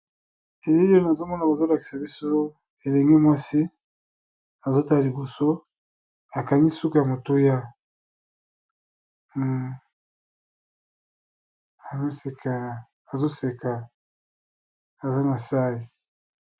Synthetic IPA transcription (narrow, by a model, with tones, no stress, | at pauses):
e˨le˦jo˦na˨zo˦mɔ˦na˨ba˨zo˦la˨ki̥˨sa˨bi˦so˦ | e˨le˨ŋɡi˦mwa˦si˦ | a˨zo˦ta˦lli˨bo˨so˦ | a˨ka˨ni˦su˦ko˨ja˨mo˨to˦ja˦˨ | a˨zo˦se˨ka˨ | a˨zo˦se˨kʰa˨ | a˨za˦na˨sa˦i˨